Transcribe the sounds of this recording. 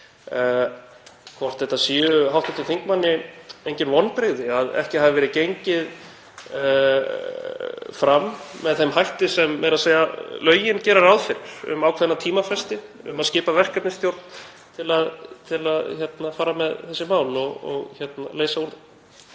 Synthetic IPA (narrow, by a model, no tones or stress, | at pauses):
kʰvɔr̥t̪θɛht̪ːasiːʏɦawht̪ɪt̪ɪθiŋkmanːɪejɲcɪnvɔnːpɾeɣðɪaðɛ̰hcɪhaːvɪvɛɾɪðcejɲcɪð | fɾamːɛðθɛmhajht̪ɪsɛmːɛɾaðseːjalœːɥjɪncɛːɾaɾawðfɪɾɪɾ̥ʏ̰mawkʰvɛðnat̪ʰiːmafɛst̪ɪ | ʏ̰maðscɪːpavɛr̥kap̪nɪst̪jowɾt̪n̥ | t̪ʰɪlaðt̪ʰɪlaðçɛt̪nafaːɾamɛðθɛsːɪmaːwlɔɣɔ̰ɣçɛt̪na̰leːjsauɾða